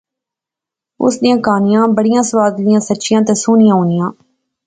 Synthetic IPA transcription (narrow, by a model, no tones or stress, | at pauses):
ʊ̰sdijãːkaːnɪjãːbəɽɪjãːsʊʋaːd̪lɪjãːsətːʃɪjãːt̪eːsuːnɪjãːɦoːnɪjãː